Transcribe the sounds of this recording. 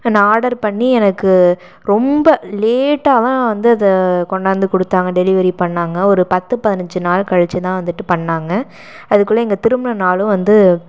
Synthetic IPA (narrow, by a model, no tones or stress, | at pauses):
ɐnːɐaːɽɐɾpɐɳːiɛnɐkːɯ | ɾɔmbɐleːʈːaːʋɐ̃ʋɐnd̪ɯɐðɐkɔɳɖaːnd̪ɯkɔɽɯt̪ːaːŋɡɐɖɛlɪʋɐɾipɐɳːaːŋɡɐɔɾɯpɐt̪ːɯpɐðɪnɐɲd͡ʒɯnaːlkɐɻɐt͡ʃːɯt̪ãːʋɐnd̪ɯʈːɯpɐɳːaːŋɡɐ | ɐðɯkːɯɭːɐɛŋɡɐt̪ɪɾɯmɐnɐnaːlɯ̃ʋɐnd̪ɯ